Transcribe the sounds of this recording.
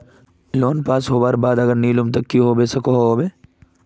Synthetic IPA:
loːnpaːsɦoːbaːɾbaːd̪ɐɡəɾniːlʊmt̪̬ɐkːiɦoːbesɐkoɦobeː

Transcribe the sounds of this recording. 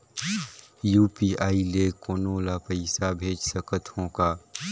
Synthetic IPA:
juːpiaːileːkoːnoːlapəɪsabʱeːd͡ʒsəkət̪ʰõkaː

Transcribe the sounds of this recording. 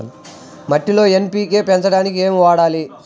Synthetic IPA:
mɐʈːilo̞ːe̞mpiːkeːpɛnt͡ʃɐɽaːnikie̞ːmiʋaːɽaːli

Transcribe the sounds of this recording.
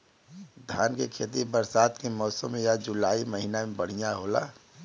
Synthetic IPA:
d̪ʱjaːnkekʰeːt̪̬ibəɾsaːt̪kemɔːsəmːẽjad͡ʒʊlaːiməɦinamẽbəɽ̤ijaɦola̰ː

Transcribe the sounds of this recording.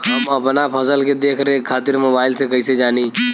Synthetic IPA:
ɦɐmɐpnapʰɐsəlked̪eːkʰɾeẽkʰaːt̪ɪɾmoːbaːɪlsekɐised͡ʒaːni

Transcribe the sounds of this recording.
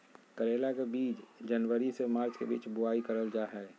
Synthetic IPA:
kəɾeːlakebiːt͡ʃd͡ʒənʋəɾisemaːɾt͡ʃkebḭːt͡ʃbʊaːikəɾəld͡ʒaːɦɛː

